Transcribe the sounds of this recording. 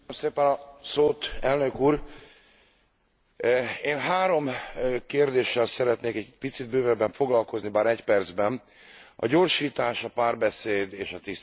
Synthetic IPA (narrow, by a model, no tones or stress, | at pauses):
mseːpɛnɒsoːt̪ɛlnøkuːɾ | eːnɦaːɾo̞mkeːrd̪eːʃːɛlsɛɾɛt̪neːkɛɟpit̪sid̪̚bøːvɛbɛɱfo̞ɡlɒlko̞znibaːɾɛcpɛrd̪zbɛn | ɒ̰ɟo̞rʃiːt̪aːʃɒpaːrbɛseːd̪eːʃɒt̪is